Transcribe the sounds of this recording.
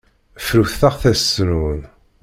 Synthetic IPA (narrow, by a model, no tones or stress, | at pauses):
fɾuθθəʁθæsnun